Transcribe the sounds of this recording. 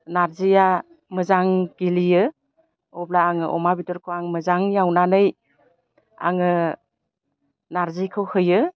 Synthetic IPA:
naɾzija | mɯzaŋɡ̥ilijɯ | ɔblaːŋɯʔɔ̰mabitɔɾkʰoaŋmɯzaŋjawnanɯj | a̰ŋɯ | naɾzikʰɯwhɯjɯ

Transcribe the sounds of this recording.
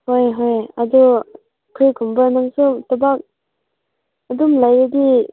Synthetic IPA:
hojɦoja̰du | pʰɾikʰumbanaŋsutɔbak̚ | adumlajɾidi

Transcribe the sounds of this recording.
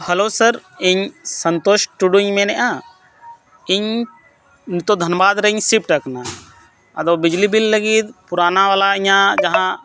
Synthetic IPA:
hɐlosəɾiɲsənt̪oːʃʈuɖuɲmɛ̃nɛʔa | ɪɲ | nit̪od̪ʱənbaːd̪ɾəɲsip̚ʈəkna | ɐd̪obid͡ʒlibilːəɡit̪̚puɾaːnaʋaːlaiɲãd͡ʒɐɦã

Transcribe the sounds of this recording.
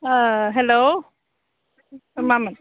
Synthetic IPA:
ɦɛlo | mamən

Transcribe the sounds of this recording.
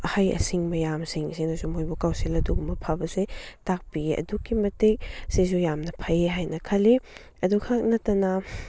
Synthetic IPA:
ɐhajɐ̰siŋmɐjamsiŋsenɐsumojbukawselɐduɡumɐpʰabɐsetak̚pieʔɐ̰duɡimɐtek̚sizujamnɐpʰajeɦajnɐkʰɐli | ɐdukʰak̚nɐtːɐnɐ

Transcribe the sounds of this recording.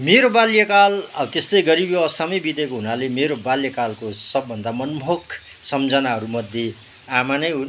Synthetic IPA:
meɾobaljʌkalʌbt̪est̪ʌjɡʌɾibʌsamʌjbit̪ekoɦunalemeɾobaljʌkalkosʌbːʌnd̪ʱamʌnmʱok | sʌmd͡zʌnaɦʌɾumʌd̪ʱje | amanʌjɦu

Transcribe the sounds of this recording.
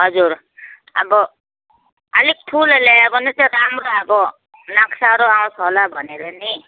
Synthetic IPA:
ɦʌd͡zuɾ | ʌ̰bʌ | ʌlik̚ʈʰuleleabʌnit͡saɾamɾoabʌ | naksaɾoaw̃sʰɦolabʱʌneleni

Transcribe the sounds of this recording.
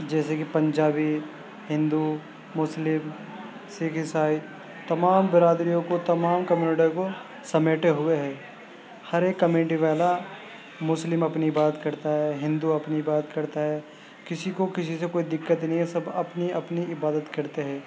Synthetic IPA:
d͡ʒɛːsekipɐ̃ɲd͡ʒaːbi | ɦɪ̃nd̪u | mʊslɪm | siːkɪsaːi | t̪ɐmaːmbɪɾaːd̪ɾijõkot̪ɐmaːmkɐmjuːnɪʈijõko | sɐmeːʈeɦʊeɦɛ̃ː | hɐɾeːkːɐmeːʈiʋɛːla | mʊslɪmɐpniɪbaːd̪ət̪̚kɐɾt̪aɦɛɦɪ̃nd̪uɐpniɪbaːd̪ət̪kɐɾt̪aɦɛː | kɪsikokɪs̬isekoːid̪ɪkːət̪nɦĩɦɛsɐbɐpniɐpniɪbaːd̪ət̪kɐɾt̪eɦɛ̃ː

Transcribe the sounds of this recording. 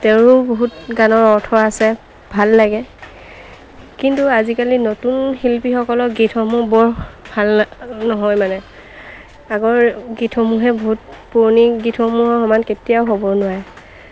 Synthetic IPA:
teɹʊboɦutɡanɔɹɔɹtʰɔɹasɛ | bʱalːaɡɛ | kintuazikalinotunhilpixɔkɔlɔɡitʰɔmubɔɹbʱalnɔɦɔjmanɛ | aɡɔɹɡitʰɔmuɦɛboɦut̚puɹniɡitʰɔmuɦɔhɔmanketijaʊɦobɔnʊwaɹɛ

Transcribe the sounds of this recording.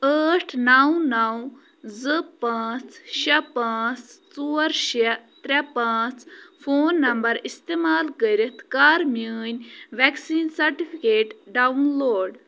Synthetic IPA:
əːʈʰnɐwnɐw | zɨpaːt͡sʃɐpaːt͡st͡suːɐɾʃet̪ɾʲɐpaːt͡sfʰoːnːɐmbɐɾist̪emaːlkəɾit̪kaːɾmuːnʲʋɛksiːnsɐɾʈifʰikeːʈɖaunloːɖ

